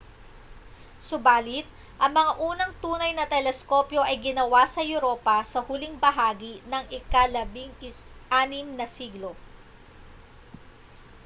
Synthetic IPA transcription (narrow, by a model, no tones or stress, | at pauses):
sʊbaːlɪt̪̚ | ʔɐŋmɐŋaʔuːnɐŋt̪uːnɐjnɐt̪ɛlɛsko̞pjo̞ʔɐjɡɪnɐwasɐjʊɾo̞ːpɐsɐhʊlɪŋbɐɦaːɡinɐŋʔɪkalɐbɪŋʔaːnɪmnɐsiːɡlo̞